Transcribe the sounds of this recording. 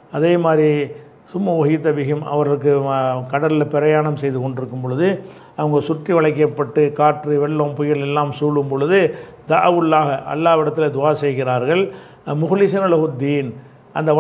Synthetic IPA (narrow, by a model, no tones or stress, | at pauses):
ɐðeːmaːd̪ɾi | sʊmːɐʋɔɣɪt̪ːɐbɪɣɯmɐ̰ʋɐɾɣɐɭɯk̬ːɯkɐɽɐllpɛɾɐjaːɳɐmsɛjðɯkɔɳɖɪɾɯkːɯmpɔɭɯðɯ | ɐʋɐŋɡɐsʊʈriʋɐɭɐɪk̬ːɐpːɐʈːɯkaːʈriʋɛɭːompʊjɪɾɭɛlːaːmsuːlːɯmpɔɭɯðɯ | d̪a̰ːɐʋɯɭːaːɣɐʔɐ̰lːaːʋɪɽɐt̪ːɪled̪ʊaːsɛjɣɪɾaːɾɣɐɭ | mʊɣʊlɪsɐnɐlɐɣʊd̪ːiːn | ʔɐnd̪ɐʋɐ